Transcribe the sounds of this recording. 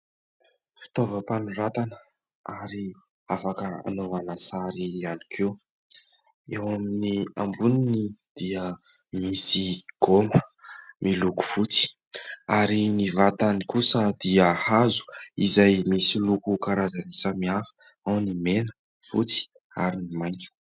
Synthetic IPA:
fi̥t̪ovəpanurat̪anə | aɾi | afakəa̰noanasaɾianikʰew | ewaminia̰mbuninid̪̥iə | misiɡ̥oməmʔiluku̥v̥ut͡si̥ | aɾinivat̪anikusəd̪iəhazu̥izajmisilukukaɾazanisəmiafə̥ | awnimenə̥ | v̥ṵt͡si̥ | a̰ɾinimajnd͡ʒu̥

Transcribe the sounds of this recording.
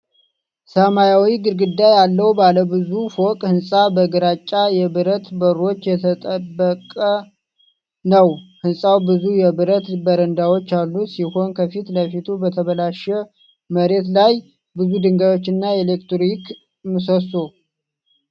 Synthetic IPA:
səmajawiɡɨɾɡɨd̪ːajalːəwbaləbɨzufo̞kʼhɨnsʼabəɡɨɾat͡ʃʼːajɛβɨɾət̪bəɾo̞t͡ʃːjɛt̪ʰət̪ʼəbːəkʼə | nəwhɨnsʼawbɨzujɛbɨɾət̪bəɾənd̪awo̞t͡ʃːalːusiho̞nkʰəfit̪ləfit̪ʰubət̪ʰəβəlaʃɛ | məɾe̞t̪laj | bɨzud̪ɨŋɡajwo̞t͡ʃːɨnːaelekt̪ik | mɨsəso

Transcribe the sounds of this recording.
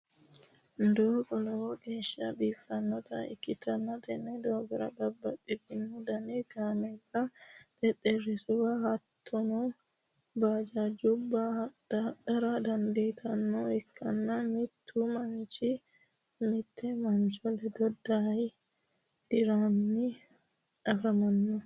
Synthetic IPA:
nd̪oːɡɔlɔwɔɡeːʃɐbiːfːɐnːɔt̪ɐɪ̰kːɪt̪ɐnːɐt̪ɛnːɛd̪oːɡɔɾɐ̰bɐbːɐtʼːiɡɪnːud̪ɐnɛɡ̥aːmɛdɐt̪ɛtɛrɪsʊbahɐt̪ʰːɔnɔ | baːd͡ʒad͡ʒʊbːa | d̪ɐɾad̪ɐnd̪eːt̪ʰɐnːɔɛkʰːɐnːɐmɪt̪ʰːuːmɐnt͡ʃɪ | mɪt̪ʰːɛmɐnt͡ʃɔlɛd̪ɔd̪ːaj | d̪̥ɪɾanːɪ | ʔɐfɐmɐnːɔ

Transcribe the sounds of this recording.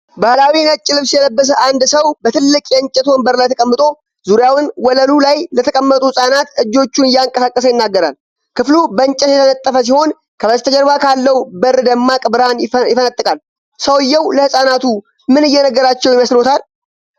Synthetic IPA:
bahlawinət͡ʃʼːɪlɨβsjɛləbːəs̬əʔand̪səwbət̪ʰɨlːɨkʼjɛnt͡ʃʼɛt̪ʰo̞nbəɾlajt̪ʰəkʼəmːɨt̪ʼo̞ | zuɾjawɨnwɔləlulajlət̪ʰəkʼəmːət̪ʼuhɨsʼanat̪ɨd͡ʒːo̞t͡ʃːunɨjːaɨŋkʼəsakʼːəs̬əjɪnːaɡːəɾal | kɨflubənt͡ʃʼɛt̪jɛt̪ənət̪ʼːəfəs̬iho̞n | kʰəbəst̪ʰəd͡ʒəɾbakʰalːəwbəɾːd̪əmːakʼɨbɾanjɪfənət̪ʼːɨkʼal | səwɨjːɛwləhɨsʼanat̪u | mɨnɨjːɛnəɡːəɾat͡ʃːɛwjɪməslo̞t̪ʰal

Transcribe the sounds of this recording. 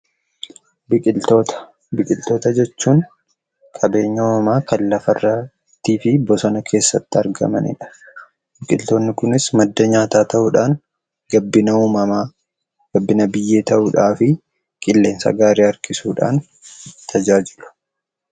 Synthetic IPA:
bɪkʼɪlt̪oːt̪ɐ̥ | bɪkʼɪlt̪o̞ːt̪ɐd͡ʒɛt͡ʃːuːŋ | kʼɐbe̞ːɲːɐuːmɐmaːkɐlːɐfɐrːɐ | t̪ːiːfɪbɔsɐnɐkʰe̞ːsːɐt̪ːɪɐɾɡɐ̰mɐ̰nɪ̰ᶑɐ̥ | bɪkʼɪlt̪o̞ːnːɪkʊnɪsmɐd̪ːɐɲaːt̪aːt̪ɐʔʊᶑaːŋ | ɡɐbːɪnɐuːmɐma | ɡ̥ɐbːɪnɐbɪjːe̞ːt̪ɐʔʊᶑaːfɪ | kʼɪlːe̞ːnsɐ̰ɡaːɾeːɐɾkʼɪsuːᶑa̰ːn | t̪ʰɐd͡ʒaːd͡ʒɪlʊ̥

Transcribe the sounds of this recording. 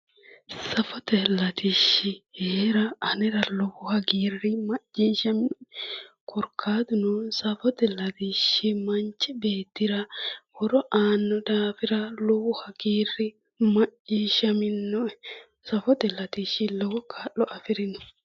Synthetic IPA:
sɐfɔt̪ɛlɐt̪iʃːɪheːɾɐɐnɛɾɐlɔwʊhɐɡiːrːɪmɐt͡ʃːiːʃɐmɪn | kʰɔɾkʰːaːd̪ʊnʊsɐfɔt̪ɛlɐt̪iʃːɪmɐnt͡ʃːɛbeːt̪ːɪɾɐwɔɾɔʔaːnːɔd̪aːfɪɾɐlɔwʊhɐɡiːrːɪ | mɐt͡ʃːiːʃɐmɪnːɔ | sɐfɔt̪ɛlɐt̪iʃːɪlɔwɔkʰaːʔɔʔɐfɪɾɪnɔ̥

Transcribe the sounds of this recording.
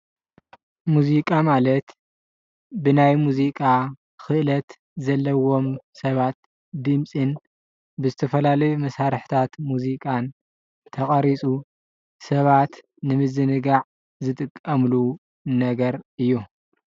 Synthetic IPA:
muzikʼamalɐt̪ | bɨnajmuzikʼa | kɨʔɨlɐt̪ | zɐlːɐwo̞msɐβat̪ | d̪ɨmsʼɨn | bɨzɨt̪ʰɐfɐlalɐjumɐsaɾɨħt̪ʰat̪muzikʼan | t̪ʰɐχʼɐɾit͡sʼu | sɐβat̪ | nɨmɨzɨnɨɡaʕ | zɨt̪ʼɨkʼːɐmlu | nɐɡɐɾɨjːu

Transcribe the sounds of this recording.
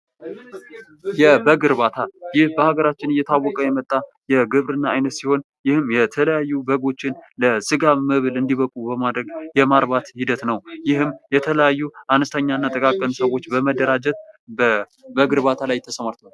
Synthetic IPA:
jɛbəɡɨɾbat̪ʰajɪhbəhaɡəɾat͡ʃːɪnɨjːɛt̪ʰawːɔkʼəjɛmət̪ʼːa | jɛɡɨβɾɨnːaajnət̪siho̞n | jɪhɨmjɛt̪ʰələjajːubəɡo̞t͡ʃːɪnləsɨɡaːɨβɨlɨnd̪iβəkʼubəmad̪ɾəɡjɛmaɾbat̪hid̪ət̪nəwjɪhɨmːjɛt̪ʰələjajːuanəst̪ʰəɲːaɨnːat̪ʼəkʼakʼːənsəwo̞t͡ʃːbəməd̪ːəɾad͡ʒɛt̪̚bə | bəɡɨɾbat̪ʰalajt̪ʰəsəmaɾt̪ʰa

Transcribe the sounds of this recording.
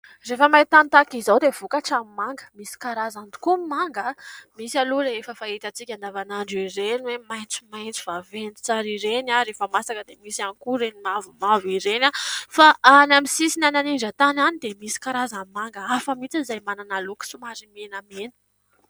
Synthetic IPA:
refəmait̪ant̪akizawd̪ev̥ukaʈ͡ʂamimaŋɡə̥misi̥kaɾazand̪u̥kumimaŋɡamisaluleefəfait̪ət͡sikʲand̪avanaɳɖ͡ʐiɾenwemajnt͡sumajnt͡si̥vavent̪i̥t͡saɾiɾenaɾefəmasakəd̪emisanikuɾenimavumaviɾenafaanamisisinananiɳd͡ʒət̪ananid̪emisi̥kaɾazamimaŋɡəafəmit͡siizajmananaluki̥sumaɾimenamenə̥

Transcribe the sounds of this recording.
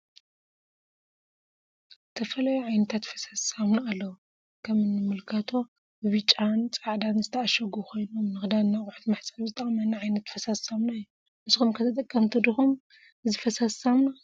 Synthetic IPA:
zɨt̪ʰɐfɐlajuʕajnɐt̪ʰat̪fɐ̥sasamnaalːɐwu | kʰɐmɨnːɨmɨlkʰɐt̪ʰo̞ | bɨβɨt͡ʃʼant͡sʼaʕd̪anzɨt̪ʰɐaʃɐɡuko̞jnomnɨxd̪anːakʼħut̪maħsʼaβzɨt̪ʼɐkʼmɐnːaʕajnɐt̪fɐsasamnaɨjːu | nɨzxumkʰɐt̪ʰɐt̪ʼɐkʼːɐmt̪ʰɐd̪ɨxum | ɨzɨfɐsasamna

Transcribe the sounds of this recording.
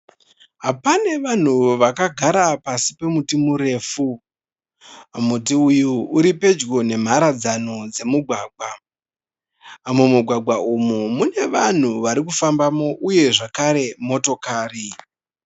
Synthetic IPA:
ɦapane̞ʋan̤uʋakaɡʱaɾapasi̥pe̞mutimuɾe̞ːfu | amut̬iujuuɾipe̞d͡ʒɡo̞ne̞m̤aɾad͡zanod͡ze̞muɡʱwaːɡʱwa | mumuɡʱwaɡʱwaʔumumune̞ʋan̤uʋaɾik̬ufambamo̞ʔuje̞ʐakaɾe̞mo̞to̞kaːri

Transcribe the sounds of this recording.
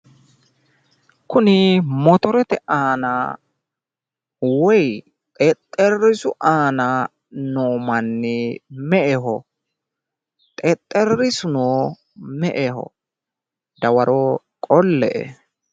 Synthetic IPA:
kʊnɪmɔt̪ɔɾɛt̪ɛʔaːna | wɔj | t̪ʼɛt̪ʼːɛrːɪsʊʔaːna | noːmɐnːɪmɛʔɛɦɔ | t̪ʼɛt̪ʼːɛɾɪsʊnoː | mɛʔɛhɔ̰ | d̪ɐwɐɾɔ | kʼɔlːɛ̰ʔɛ̰

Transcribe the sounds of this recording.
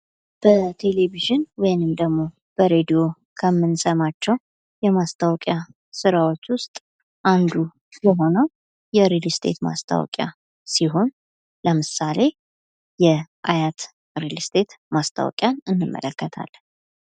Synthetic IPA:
b̥ət̪ʰe̞leviʒɨnwɔjnɨmd̪əɡmo̞ | b̥əɾe̞d̪ijo̞ | kʰəmːɨnsəmat͡ʃːɛw | jɛmast̪ʰawkʼja | sɨɾawo̞t͡ʃːwʊst̪ʼ | ʔand̪u | jəɦo̞nəw | jɛɾilst̪ʰe̞̰t̪ma̰st̪ʰa̰wɔ̰kʼja̰ | siɦo̞n | ləmɨsale̞ | jɛʔajat̪ | ɾilst̪ʰe̞t̪mast̪ʰa̰w̰kʼjanɨnːɨmːə̰ləkːət̪ʰa̰l

